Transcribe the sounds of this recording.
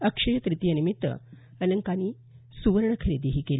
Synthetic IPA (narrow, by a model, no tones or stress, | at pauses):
əkʂəjət̪ɾit̪ijənimit̪ːʋə̰ | ələŋkaniː | suʋəɾɳəkʰəɾed̪iɦiːkel